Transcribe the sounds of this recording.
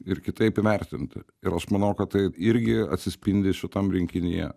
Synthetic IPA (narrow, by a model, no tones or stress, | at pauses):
ɪɾkʲɪt̪ɐɪpɪʋʲɛrʲt̪ʲɪnt̪ʲɪ̰ | ɪɾɐʃmɐnɐʊkɐt̪t̪ɐɪɪɾʲɡʲɪɐ̰tʲsʲɪsʲpʲɪnʲd̪ʲɪʃʲɪt̪ɐmɾʲɪŋʲkʲɪnʲɪjɛ̰